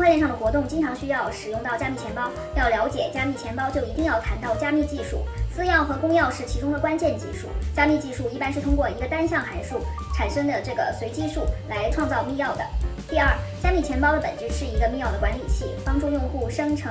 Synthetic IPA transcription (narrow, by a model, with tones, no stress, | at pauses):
ŋʰwa˥˧lɛ˥˧ʂ̬ɑ˥˩ŋd̪xwɔ˧˥t̪ʊ˥˩ŋt͡ɕi˥ŋʈ͡ʂʰɑ˧˥ŋɕy˥jɑ˥˩ʊʂɻ̩˨˩jʊ˥˧ŋt̪ɑ˥˩ʊt͡ɕja˥mi˥˩t͡ɕʰjɛ˧˥npɑ˥ʊ | jɑ˥˩ʊljɑ˧˥ʊt͡ɕjɛ˨˩t͡ɕja˥mi˥˩t͡ɕʰjɛ˧˥npɑ˥ʊt͡ɕjo˥˩ʊi˧˥t̪i˥˧ŋjɑ˥˩ʊt̪ʰa˧˥nt̪ɑ˥˩ʊt͡ɕja˥mi˥˧t͡ɕi˥˧ʂṵ˥˩sɹ̩˥jɑ˥˩ʊxɤ˧˥kʊ˥ŋjɑ˥˧ʊʂɻ̩˥˩t͡ɕʰi˧˥ʈ͡ʂʊ˥ŋd̪ə˩kwa˥nt͡ɕjɛ˥˧nt͡ɕi˥˧ʂṵ˥˩t͡ɕja˥mi˥˧t͡ɕi˥˧ʂu˥˩i˥˩pa˥nʂɻ̩˥˩t̪ʰʊ˥ŋkwɔ˥˩i˧˥ɡə˧t̪a˥nɕjɑ˥˩ŋxa˧˥ɪʂu˥˩ | ʈ͡ʂʰa˨˩nʂɤ˥ŋd̪ə˨ʈ͡ʂɤ˥˩ɡə˩swe˧˥ɪt͡ɕi˥ʂu˥˩la˧˥ɪʈ͡ʂʰwɑ˥˧ŋt͡sɑ˥˧ʊmi˥˧jɑ˥˩ʊd̪ə̰˩t̪i˥˧ɐ˞˥˩t͡ɕja˥mi˥˩t͡ɕʰjɛ˧˥npɑ˥ʊd̪ə˨pə̰˨˩nʈ͡ʂɻ̩˥˧ʂɻ̩˥˩i˧˥ɡə˧mi˥˧jɑ˥˩ʊd̪ə˩kwa˧˥nli˨˩t͡ɕʰi˥˩pɑ˥ŋʈ͡ʂu˥˧jʊ˥˧ŋxu˥˩ʂɤ˥ŋʈ͡ʂʰɤ˧˥